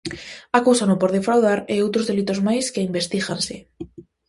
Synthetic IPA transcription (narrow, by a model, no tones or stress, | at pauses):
akuwsanopoɾðefɾawð̞aɾeowt̪ɾozðe̞lit̪ozmajskeimbe̞st̪iɣanse